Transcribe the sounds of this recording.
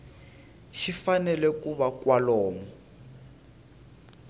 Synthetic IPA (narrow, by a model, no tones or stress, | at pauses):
ʃifanɛlɛkuβakwalɔːmɔ